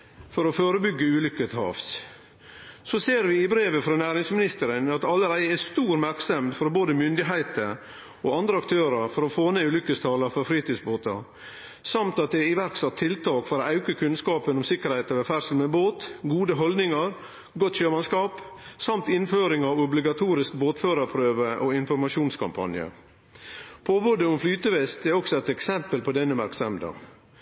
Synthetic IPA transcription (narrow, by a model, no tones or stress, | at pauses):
fɔɾɔføːɾəbʏɡːəʉːlʏkət̪hɑ̰ːfs | sɔseːɾʋɪɪbɾeːʋəfɾɑnæːɾɪŋsmɪnɪst̪əɾənɑt̪ɑlːəɾæɪɛst̪uːɾmæɾksəmd̪fɔɾboːd̪əmʏnd̪ɪɦæɪt̪əɾ | ɔːɑnd̪ɾəɑkt̪ʰøːɾəɾfɔɾɔfoːneʉːlʏkːəst̪ʰɑːləɾfɔɾfɾiːt̪yːsboːt̪ɑ̰ | sɑmt̪ɑt̪̚d̪ɛɪʋæɾksɑt̪ʰːɪlt̪ʰɑːkfɔɾoːʔɑʉkəkʰʉnskɑːpənʊmsɪkəɾhɛɪt̪ɑʋɛfæɾsəlmɛboːt̪ɡuːd̪əɦɔld̪nɪŋɑɾ | ɡɔt̪ɕøːmɑnskɑːpsɑmt̪ɪnføːɾɪŋɑʋʊblɪɡɑt̪ʰuːɾɪskboːt̪føːɾəɾpʰɾøːʋəʔoɪnfɔɾmɑʃuːnskʰɑ̰mpʰɑ̰njə̰ | pʰɔboːd̪əʊmflyːt̪əʋɛst̪ɛɾɔksɔɛt̪ɛksɛmpəlpɔd̪ɛnːəmæɾksɑmd̪ɑ̰